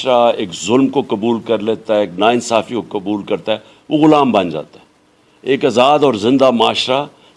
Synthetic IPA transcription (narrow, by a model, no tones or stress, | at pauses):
ɾaeːkzʊlmkokɐbuːlkəɾleːt̪aɛeːknaːɪnsaːfikokəbuːlkɐɾt̪aɛː | ʋoɣʊlaːmbɐ̃nd͡ʒa̰ːt̪aɦɛː | eːkaːzaːd̪ɔːɾzɪ̃nd̪amaːʃɾa